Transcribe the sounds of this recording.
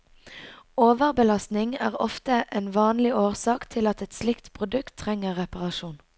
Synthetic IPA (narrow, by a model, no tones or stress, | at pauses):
oːʋəʁbəlɑst̪nɪŋæ̰ːʁɔ̰ft̪əʔeːnʋɑːnlɪoːʁsɑːkt̪ʰɪlɑt̪ɛt̪slɪkt̪pʰʁʊd̪ʉkt̪ʰːʁɛŋəʁʁɛpɑʁɑʃuːn